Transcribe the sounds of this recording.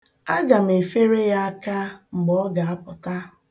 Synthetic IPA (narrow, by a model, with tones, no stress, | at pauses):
a˦ɡa˨m̩˨e˨fe˦ɾe˦ja˦a˦ka˦ŋ͡m̩˨ɡ͡bɔ˦ɡa˨a˦pʊ˨ta˦